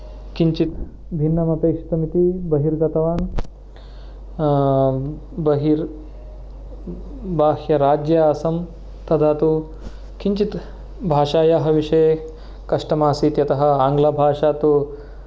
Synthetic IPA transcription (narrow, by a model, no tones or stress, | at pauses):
kiɲt͡ʃit̪ | bʱinːɐmɐpeːkʂi̥t̪ɐmit̪ibɐɦiɾɡɐt̪ɐʋaːn | bɐɦiɾ | baːhjɐɾaːd͡ʒjɐaːsɐm | t̪ɐd̪aːt̪u | kiɲt͡ʃit̪ | bʱaːʂaːjaːɦɐʋiʂɐje | kɐʂʈɐmaːsiːt̪jɐt̪ɐɦɐ̆aːŋɡlabʱaːʂaːt̪u